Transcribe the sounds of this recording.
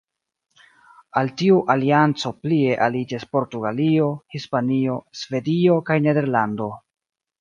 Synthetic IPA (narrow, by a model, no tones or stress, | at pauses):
altiuʔaliant͡so̞plie̞ʔalid͡ʒispo̞ɾtuɡalio̞hispanio̞sve̞dio̞kajne̞de̞ɾlando̞